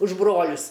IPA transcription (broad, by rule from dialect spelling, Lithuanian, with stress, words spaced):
ʊʃ ˈbroːlʲʊs